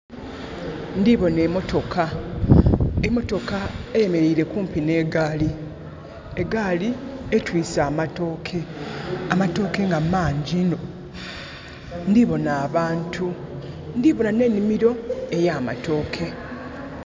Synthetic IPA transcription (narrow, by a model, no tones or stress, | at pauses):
ndiβo̞ne̞ːmo̞to̞kʰa | emo̞to̞kaeje̞me̞ɾiiɾe̞kuːmpine̞ːɡali | eɡalietwiːsaːmatokʰe̞amato̞ːke̞ŋɡamaːɲɟino̞ | ndiβo̞naːβaːntʰu | ndiβo̞nane̞ːnːimiɾo̞e̞jama̰to̞ːkʰe̞